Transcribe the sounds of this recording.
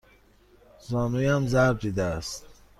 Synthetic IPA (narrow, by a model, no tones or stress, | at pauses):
zɔːnujamzaɾb̚d̪id̪æːst̪